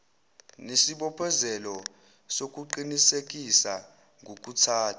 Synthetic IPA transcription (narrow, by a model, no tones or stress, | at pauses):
nesiɓɔpʰɔzɛlɔ | sok̬ʼuǃinisek̬ʼisa | ŋok̬ʼutʰaːtʰḁ